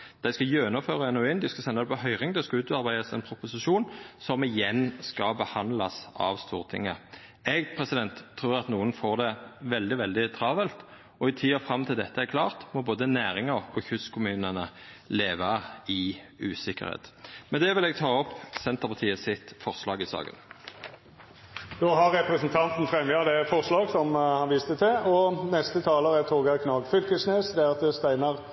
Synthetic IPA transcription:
d̪̥æɪskɑjøːnɔføːʁɑɛnʉɪnd̪ɪskɑsɛnɑd̪ɛpɔɦœʏʁɪŋd̪æɪskɑʉːt̪ɑɾbæɪd̪əsɛ̰npʰɾʊpʊsɪʃuːnsɔmɪjɛnːskɑbəhɑnd̪lɑsɑ̰ʋst̪uːʁt̪ʰɪ̰ŋːə | ɛɡpʰʁɛsɪd̪ɛnt̪ʰːɾuːɾɑt̪nuːənfoːʁd̪ɛʋɛld̪ɪʋɛld̪ɪt̪ʰɾɑːʋɛlt̪ | ɔɪt̪ʰiːɑfɾɑmt̪ʰɪld̪ɛt̪ʰːəæɾkʰlɑːʁt̪mɔboːd̪ənæːɾɪŋəʁɔçʉskʰʊmʉːnənə | leːʋɑɪʉːsɪkə̰ʁhḛːt̪mɛnd̪ɛʋɪlɛɡt̪ʰɑːɔpːsɛnt̪əpʰɑʁt̪ʰiːəsɪt̪fɔʁslɑːɡɪsɑ̰ːɡə̰n | d̪oːɦɑɾːɛpɾɛsnt̪ʰɑnt̪n̩fɾɛmjɑd̪ɛfɔʁslɑːɡsɔmhɑnʋist̪ət̪ʰɪlɔnɛst̪ət̪ʰɑːləɾəæt̪ʰoːɡɑkʰnɑːɡfʏlkəsneːsd̪ɛæɾɑt̪̚d̪ɛst̪æɪnəʁ

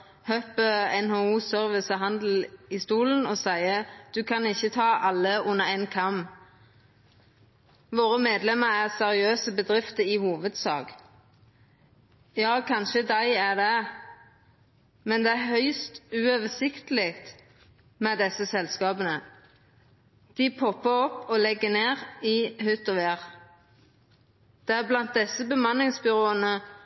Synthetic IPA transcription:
høpəɛnhouːsœʁʋɪsəɦɑnd̪l̩ɪst̪uːlən̩ɔːsæɪəd̪̥ʉkʰɑnɪçːət̪ʰɑːʔɑlːəʔʊnːəʁɛɪnkʰɑm | ʋoːʁəmeːd̪lɛməʁæʁsɛʁɪøːsəbəd̪ʁɪft̪əɪhuːʋəd̪sɑ̰ːɡ | jɑːkʰɑnʃəd̪æɪæd̪ɛ | mɛnd̪ɛːæhœʏst̪ʉːøːʋəsɪkt̪əlɪkt̪ | mɛːd̪ɛsəsɛlskɑːbənə | d̪̥ɪpʰɔpːəɔpːɔːlɛɡːəneːʁihʉt̪ɔʋeːʁ | d̪̥ɛːæblɑnt̪̚d̪ɛsəbəmɑnɪŋsbʏʁoːənə

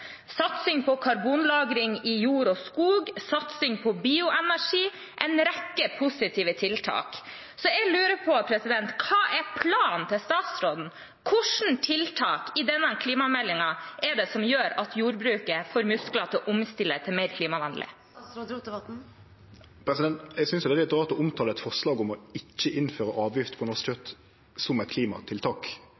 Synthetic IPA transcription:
sɑt̪sɪŋpʰɔkʰɑɾbuːnlɑːɡɾɪŋɪjuːɾɔskuːɡsɑt̪sɪŋpʰɔbiːʊʔɛnæʂiː | ʔɛɪnɾɛkːəpʰʊsɪt̪ʰiːʋət̪ʰɪlt̪ʰɑ̰ːk | sɔɛɡlʉːɾəpʰɔpʰɾɛsɪd̪ɛnt̪kʰɑːʔɛpʰlɑːnt̪ʰɪlst̪ɑːt̪sɾoːd̪n̩ | kʰʊʂɳ̩t̪ʰɪlt̪ʰɑːkɪd̪ɛnːəkʰliːmɑmɛlːɪŋɑɛɖɛsɔmjøːɾɑt̪ʰjuːɾbɾʉːkəfoːɾmʉsklət̪ʰɪʔʊmst̪ɪlːət̪ʰɪlmeɪɾkʰliːmɑʋɑnd̪lʔɪ̰ | pʰɾɛsɪd̪ɛnt̪ɛɡsʏnsjd̪ɛlɪt̪ʁɑːt̪ɔʊmt̪ʰɑːləɛt̪fɔʁʂlɑːɡɔmɔɪt͡ʃːəʔɪnføːɾəʔɑːʋjɪft̪pʰɔnɔst͡ʃʰœt̪ | sɔmɛɪt̪̚kʰliːmɑ̰t̪ʰɪlt̪ʰɑːk

